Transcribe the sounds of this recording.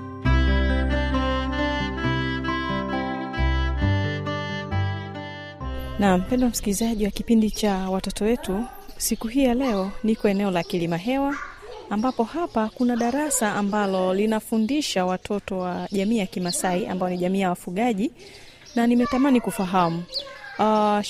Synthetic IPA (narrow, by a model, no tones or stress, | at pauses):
nam̩m̩pɛndɔwam̩skilizaʄiwakipindit͡ʃawatɔtɔwɛtu | sikuɦiːjalɛɔnikɔɛnɛɔlakilimaɦɛwaː | mbapɔhapakunaɗaɾasaːmbalɔlinafundiʃawatʰɔtɔwaʄamiːjakimasaiʔa̰mbaɔniʄamiːjawafuɠaʄi | nanimɛtamanikufaɦamu